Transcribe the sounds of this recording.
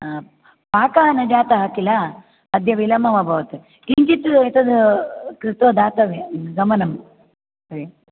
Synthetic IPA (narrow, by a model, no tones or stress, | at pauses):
paːkaɐnɐd͡ʒaːt̪ɐɦaːkilɐ | ɐd̪ʱjɐʋilɐmɐʋɐbʱɐʋɐt̪e | kiɲt͡ʃit̪et̪ɐd̪kɾit̪ʋɐd̪aːt̪ɐʋeɡɐmɐnɐm | sɐɾi